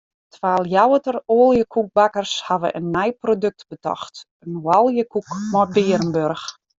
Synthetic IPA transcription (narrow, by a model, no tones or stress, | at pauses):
tʰwaːlˠjawətəroːlˠjəkʰuk̚bakərshavə̰ʔə̰nːɛjprodøk̚tbətɔ̰xt | ənwɔlˠjəkukmɔbɪːəɾənbørx